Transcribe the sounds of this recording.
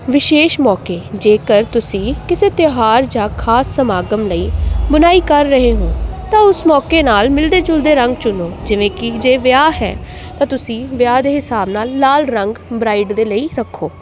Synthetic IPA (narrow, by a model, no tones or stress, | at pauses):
ʋɪʃeːʃmɔːkeːd͡ʒeːkəɾt̪ʊsĩːkɪseːt̪ɪɦaːɾd͡ʒãːkʰaːsːəmaːɡəmləiːbənaːiːkəɾːəɦeːɦũːt̪ãːʊsmɔːkeːnaːlmɪld̪eːd͡ʒʊld̪eːɾəŋɡt͡ʃʊnoːd͡ʒɪʋẽːkɪd͡ʒeːʋjaːɦɛ̰ː | t̪ãːt̪ʊsĩːʋjaːd̪eːɦɪsaːbnaːlːaːlɾəŋɡbɾaːiːɖd̪eːləiːɾəkʰːoː